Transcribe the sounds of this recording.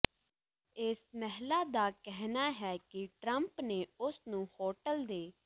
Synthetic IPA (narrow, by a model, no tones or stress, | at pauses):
ɪsmɛɦlaːd̪aːkɛɦnaːɦɛːkɪʈɾəmpneːʊsnũːhoːʈəld̪eː